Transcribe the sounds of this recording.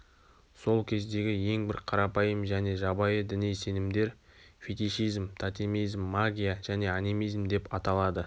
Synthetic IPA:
so̞lˠkʲʰe̞zd̪e̞ɡʲɪje̞ŋbɪɾqʰɑɾɑpɑjəmʒæne̞ʒɑbɑjəd̪ɪnijse̞nɪmd̪e̞ɾ | fʲet̪iʃijzmt̪ʰat̪imijzmːaɡʲijaʒ̥æne̞animijzmd̪e̞pɑt̪ɑlˠɑd̪ə

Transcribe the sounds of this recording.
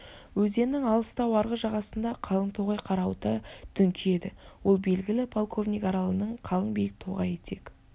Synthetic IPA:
wɵze̞nːɪŋɑlˠəst̪ɑwɑɾʁəʒɑʁɑsənd̪ɑqʰɑlˠəɴt̪ʰo̞ʁɑjqʰɑɾɑwt̪əd̪̥ʰʏŋkʲʰɪje̞d̪ɪwolˠbe̞lɡʲɪlɪpʰo̞lˠkʰo̞vnʲijkɑɾɑlˠənəɴqʰɑlˠəɴbejk̚t̪ʰo̞ʁɑje̞t̪ʰe̞k

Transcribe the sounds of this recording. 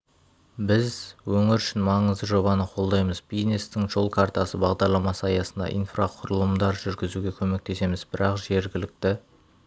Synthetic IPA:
bɪzwɵŋɪɾʏʃɪnmɑɴəzd̪əʒo̞βɑnəqʰo̞lˠd̪ɑjməzbij̪nest̪ɪŋʒo̞lˠkʰart̪ɑsəbɑʁd̪ɑɾlˠɑmɑsəɑjɑsənd̪ɑ̰ʔḭjnfraqʰʊɾəlˠəmd̪ɑɾʒʏɾɡʲɪzuɡʲe̞kʲʰɵme̞k̚t̪ʰe̞se̞mɪzbɪɾɑqʒe̞ɾɡʲɪlɪk̚t̪ɪ

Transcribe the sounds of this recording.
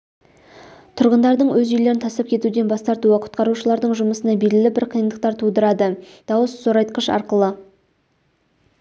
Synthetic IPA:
t̪ʰʊɾʁənd̪ɑɾd̪əɴwɵzʏjle̞ɾɪnt̪ʰɑsəp̚kʲʰe̞t̪ud̪e̞nbɑst̪ɑɾt̪uəqʰʊ̥t̪qɑɾuʃəlˠɑɾd̪əɴʒʊməsənɑbeɾɡʲɪlɪbɪɾqʰijənd̪əq̚t̪ɑɾt̪ʰud̪əɾɑd̪ə | d̪̥ɑwəssoɾɑjt̪̚qəʃɑ̰ɾqəlˠə

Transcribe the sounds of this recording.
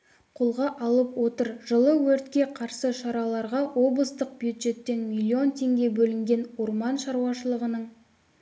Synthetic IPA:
qʰolˠʁɑʔɑlˠəpwo̞t̪əɾʒəlˠəwɵɾt̪kʲe̞qʰɑɾsəʃɑɾɑlˠɑɾʁɑwʔo̞blˠəst̪əq̚bjud̪ʒe̞t̪ːe̞nmʲilʲːio̞nt̪ʰe̞ŋɡʲe̞bɵlɪŋɡʲe̞nwoɾmɑnʃɑɾuwɑʃəlˠəʁənəɴ

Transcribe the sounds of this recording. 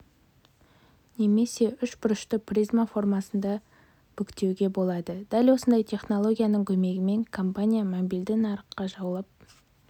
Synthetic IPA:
ne̞me̞se̞ʏʃbʊɾəʃt̪əprʲizmafo̞rmasənd̪ɑ | b̥ʏkt̪e̞wɡʲe̞bo̞lˠɑd̪əd̪̥ælwo̞sənd̪ɑjt̪ʰe̞χno̞lˠo̞ɡʲijanəŋkʲʰɵme̞ɡʲɪme̞ŋkʰo̞mpanʲijamobild̪ɪnɑɾəqːɑʒɑwlˠəp̚

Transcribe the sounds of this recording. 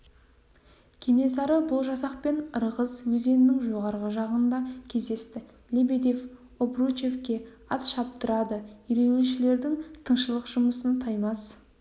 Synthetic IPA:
kʲʰene̞sɑɾəbʊlˠʒɑsɑq̚pe̞nəɾʁəzwɵze̞nɪnɪŋʒo̞ʁɑɾʁəʒɑʁənd̪ɑkʲʰe̞zd̪e̞st̪ɪ | lʲebed̪ef | obrut͡ʃe̞fkʲe̞ | ɑt̪ʃɑp̚t̪əɾɑd̪əiɾeneʃɪle̞ɾd̪ɪŋt̪ʰəɴʃəlˠəqʒ̥ʊməsənt̪ʰɑjmɑs

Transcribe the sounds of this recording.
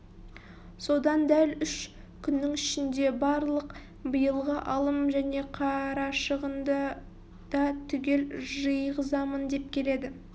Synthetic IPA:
so̞d̪ɑnd̪ælʏʃ | kʲʰʏnːɪŋɪʃɪnd̪e̞bɑɾlˠəq | bəjəlˠʁəʔɑlˠəmʒæne̞qʰɑɾɑʃəʁənd̪ɑ | d̪̥ɑt̪ʰʏɡʲe̞lʒəjʁəzɑmənd̪e̞p̚kʲʰe̞le̞d̪ɪ

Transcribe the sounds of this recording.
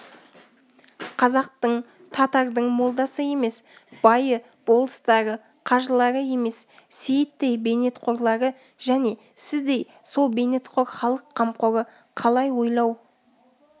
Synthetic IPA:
qʰɑzɑq̚t̪əɴ | t̪ʰɑt̪ɑɾd̪əɴmo̞lˠd̪ɑsəje̞me̞sb̥ɑjə | b̥o̞lˠəst̪ɑɾə | qʰɑʒəlˠɑɾəje̞me̞s | sejt̪ːejbe̞ne̞t̪qʰo̞ɾlˠɑɾə | ʒ̥æne̞ | sɪzd̪e̞j | so̞lˠbe̞ne̞t̪qʰo̞ɾχɑlˠəqʰːɑmqo̞ɾə | qʰɑlˠɑjwo̞jlˠɑw

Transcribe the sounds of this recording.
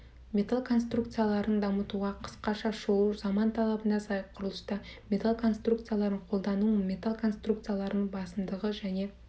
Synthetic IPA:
mʲe̞t̪alˠkʰo̞nst̪ruk̚t̪sɨjalˠɑɾənd̪ɑmət̪uʁɑqʰə̥sqɑʃɑʃoləzɑmɑnt̪ʰɑlˠɑbənd̪ɑsɑjqʰʊɾəlˠəst̪ɑmʲe̞t̪alˠkʰo̞nst̪rukt̪sɨjalˠɑɾəɴqʰo̞lˠd̪ɑnumʲe̞t̪alˠkʰo̞nst̪ruk̚t̪sɨjalˠɑɾənbɑsəmd̪əʁəʒæne̞

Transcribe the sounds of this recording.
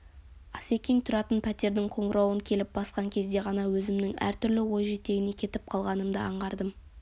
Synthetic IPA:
ɑse̞kʲeŋt̪ʰʊɾɑt̪ənpʰæt̪e̞ɾd̪ɪŋqʰo̞ɴɾɑwəŋkʲʰe̞lɪp̚bɑsqɑŋkʲʰe̞zd̪e̞ʁɑnɑwɵzɪmnɪŋæ̰ɾt̪ʰʏɾlɪwo̞jʒet̪e̞ɡʲɪne̞kʲʰe̞t̪ɪp̚qʰɑlˠʁɑnəmd̪əɑɴʁɑɾd̪əm

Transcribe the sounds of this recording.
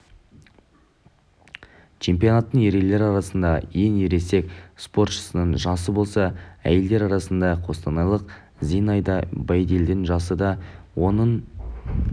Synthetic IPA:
t͡ʃʰe̞mpijo̞nɑt̪ːəɴe̞ɾele̞ɾɑɾɑsənd̪ɑje̞ŋeɾe̞se̞kspo̞ɾt̪ʃə̥sənəɴʒɑsəbo̞lˠsɑæ̰je̞ld̪e̞ɾɑɾɑsənd̪ɑqʰo̞st̪ɑnɑlˠəq | zijnɑjd̪ɑbɑjd̪eld̪ɪnʒɑsəd̪ɑwo̞nəɴ

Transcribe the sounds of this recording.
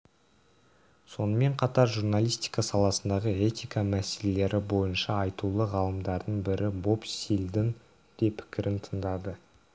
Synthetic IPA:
so̞nəme̞ɴqʰɑt̪ɑɾʒurnalˠijst̪ijkɑsɑlˠɑsənd̪ɑʁəe̞t̪ʲijkɑmæse̞le̞le̞ɾɪbo̞jənʃɑːjt̪ulˠəʁɑlˠəmd̪ɑɾd̪əɴbɪɾɪbo̞psilʲd̪ən | d̪̥e̞pʰɪ̥kʲɪɾʔɪnt̪ʰənd̪ɑd̪ə

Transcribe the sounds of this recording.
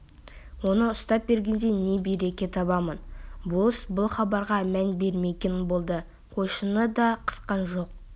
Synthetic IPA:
wo̞nəʊst̪ɑp̚be̞ɾɡʲe̞nd̪ene̞bejɾe̞kʲe̞t̪ʰɑβɑmənbolˠəsbʊlˠχɑbɑɾʁɑmænbe̞ɾme̞kʲenbo̞lˠd̪ə | qʰo̞ʃənəd̪ɑqʰə̥sqɑnʒo̞q̚

